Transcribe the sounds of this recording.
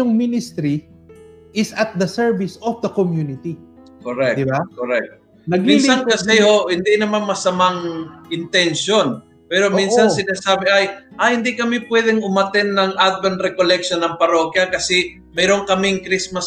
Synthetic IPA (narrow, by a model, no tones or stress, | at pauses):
ʊŋminɪst̪ɾi | ɪsɐt̪̚d̪ɐsɛɹvɪsɔfd̪ɐkomjunɪt̪i | koɾɛk̚d̪ɪbakoɾɛk̚t̪̚ | nɐɡ̚ɪsaŋkɐsɛohɪnd̪inɐmanmɐsɐmaŋʔɪnt̪ɛnʃon | pɛːɾomĩnssɐnsɪnaːsaːbɪʔajʔahɪnd̪ikɐmipwɛːd̪ɛŋʊmɐt̪ɛnːɐŋʔad̪̚bɐnt̪̚ɾɛkolɛk̚ʃonːɐŋpɐɾo̞ːkjɐkɐsɛ | mɛːɾoŋkɐmɪŋkɾismɐs